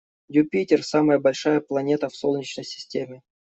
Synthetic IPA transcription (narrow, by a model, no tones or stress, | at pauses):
jupʲitʲɪrsaməjəbɐlʲʂajəplˠɐnʲe̞t̪əfsolˠnʲɪt͡ɕnəjsʲɪ̥sʲtʲemʲɪ